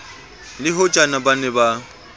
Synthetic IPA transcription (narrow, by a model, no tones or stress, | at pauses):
lɪɦʊt͡ʃʼanabanɛba